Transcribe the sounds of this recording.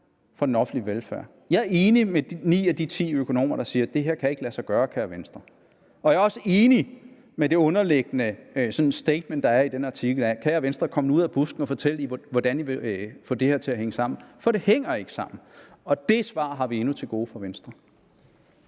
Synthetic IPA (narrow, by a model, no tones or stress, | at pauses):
fɒ̽d̥en̩ɒ̽fn̩liʋelfæɐ̰ | jɑ̈æɐe̝ːnimednḭːæd̥it͡sʰḭːøkʰo̝no̝̰ːmɐɾ̥ɑ̈siːɐd̥e̝ɦe̝ɐ̰kʰæje̝ɡ̥əlæsɑɪɡ̥ɶːɐkʰæːɐʋensd̥ʁɐ | ɒ̽æɐɒ̽səe̝ːni | mede̝ɔ̽nɐleɡ̥ənəsɒ̽nsd̥eɪd̥mend̥ɑ̈æɐid̥enɑ̈t͡sʰiɡ̥l̩ækʰæːɐʋensd̥ʁɐkʰɒ̽məuð̞̰ˠæb̥usɡ̥n̩ɒfɒ̽t͡sʰel̰əiʋɒd̥æniʋe̝fɔ̰̽ːd̥e̝heɐ̰t͡sʰe̝æɦeŋəsɑ̈m̰n̩fɒ̽ɾ̥e̝heŋ̰ɐe̝ɡ̥ə̥sɑ̈m̰n̩ | ɒ̽d̥e̝sʋɑ̰̈ːɦɑ̈ʋie̝nut͡sʰe̝ɡ̥o̝ːfɒ̽ʋensd̥ʁɐ